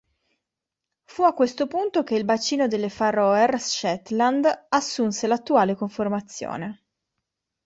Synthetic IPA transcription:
fuakːwest̪opunt̪okeilbat͡ʃːiːnod̪elːefarɔerʃɛt̪land̪asːunselat̪ːuaːlekoɱfermat̪sːjo̰ːne

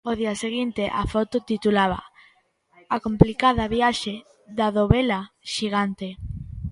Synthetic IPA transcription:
oðiɐseɣint̪eʔafɔt̪ot̪it̪ulaβɐ̰ | akomplikaðɐβjaʃe | ðaðoβela | ʃiɣant̪e

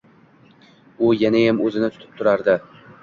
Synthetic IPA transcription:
ʊjanajamɵzɪnɪt̪ʰʊ̥t̪ʰɪ̥p̚t̪ʰʊɾaɾd̪ɪ

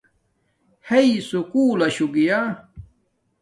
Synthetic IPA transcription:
heisukuːlɐɕuɡija

